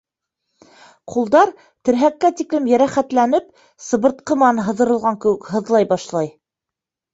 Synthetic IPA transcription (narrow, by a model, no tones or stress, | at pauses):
qʰulˠd̪ɑɾ | t̪ɘ̆ɾɦækːæt̪iklɘmjæɾæχæt̪lænɘp̚ | sɤ̆βɤ̆ɾt̪̚qɤ̆mɑnɦɤ̆ðɤ̆ɾɤ̆lˠʁɑŋkɘ̆wɘkɦɤ̆ðlˠɑjbɑʃlˠɑj